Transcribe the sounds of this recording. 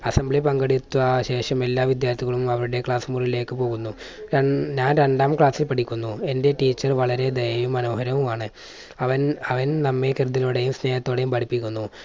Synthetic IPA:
ɐsɐmbɭipɐŋɡɐɽit̪ːuɐɕe̞ːʂɐme̞lːaːʋid̪jaːrt̪ʰiɣɐɭumɐʋɐɾuɽe̞kɭaːsumurile̞ːkːɨpo̞ːɣunːu | ɲaːnɾe̞ɳɖaːmkɭaːsilpɐʈikʲːunːue̞nde̞ʈiːt͡ɕːɐrʋɐɭɐɾe̞d̪ɐjɐʋumːɐno̞ːhɐɾɐʋumaːɳɨ | ɐʋɐnɐʋɐnnɐmːekɐrud̪iloɽejumsne̞ːjhɐt̪ːo̞ːɽe̞jumpɐʈipːikʲːunːu

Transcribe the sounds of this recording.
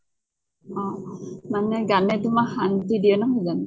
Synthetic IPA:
ɔ̃manɛɡanɛtʊmakhantidijɛnɔɦojzan

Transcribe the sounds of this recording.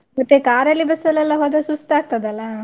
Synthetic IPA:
mɐt̪ːekaːɾɐlːibɐsɐlɛlːɐɦoːd̪esust̪aːɡ̚t̪ɐd̪ɐlːɐ

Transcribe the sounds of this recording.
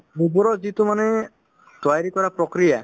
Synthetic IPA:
ɾubɔɾɔd͡ʒit̪umane | t̪wajɾikɔɾapɾɔkɾija

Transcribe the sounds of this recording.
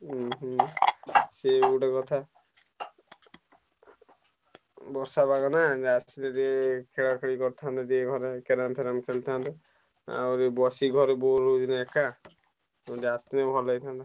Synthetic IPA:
seuɖekɔt̪ʰa | bɔɾsabaɡɔnad͡ʒastineɾiekʰeɭakʰaɽ̃ikɔɾt̪ʰant̪edieɡʱɔɾekeɾampʰeɾamkʰeɭt̪ʰant̪e | a̰oɾebɔsiɡʱɔɾeboɾod̪inaeka | od͡ʒast̪inebʱɔlajt̪ʰant̪a

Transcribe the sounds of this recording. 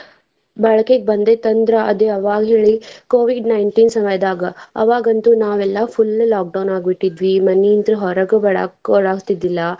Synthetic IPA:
bɐɭɐkeɡ̚bɐnd̪et̪ɐnd̪ɾɐʔɐd̪eɐʋaːɡɐɦeːɭikoːʋiɖnɐjɳʈiːnsɐmɐjɐd̪aːɡɐɐʋaːɡɐnt̪unaːʋɛlːɐfʰulːlaːk̚ɖɐwnaːɡbiʈːid̪ʋimɐnːint̪ɾuɦɔɾɐɡɐbɐɭa̰ɭaːɡt̪id̪ilːɐ

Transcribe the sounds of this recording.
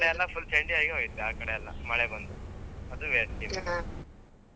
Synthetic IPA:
ɽeɐlːɐpʰulseɳʈiaːiɡeɦoɡit̪ːuaːkɐɽeɐlːɐ̰mɐɭebɐnd̪uɐd̪uʋeʈim

